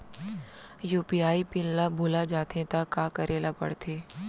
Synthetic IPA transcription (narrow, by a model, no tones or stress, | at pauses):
juːpiaːipɪnlabʱoːlad͡ʒaːt̪ẽt̪akːaːkɐɾʔeːlapɐ̰ɽt̪ʰeː